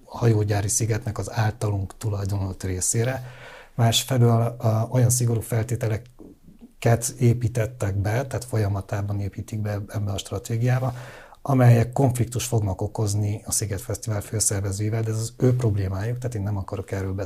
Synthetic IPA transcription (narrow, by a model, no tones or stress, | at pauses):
hɒjoːɟaːɾisiɡɛt̪nɛkɒzaːlt̪ɒluŋkt̪ulɒjd̪onolot̪reːseːɾɛmaːʃfɛløːlo̞jɒns̬iɡo̞ɾuːfɛlt̪eːt̪ɛlɛ | kːɛt̪eːpiːt̪ɛt̪ːɛɡbɛt̪aːt̪fo̞jɒmɒt̪aːbɒneːpiːt̪iɡ̚bɛɛbːɛɒʃt̪rɒt̪eːɡijaːbɒɒmɛjɛkːo̞ɱflik̚t̪uʃfo̞ɡnɒko̞ko̞zniɒsiɡɛt̪fɛst̪ivaːlføːsɛrvɛzøːjivɛld̪ɛzɒzøːpro̞bleːmaːjuk̚t̪aːt̪eːnːɛmɒkɒɾo̞kɛrːøːlbɛ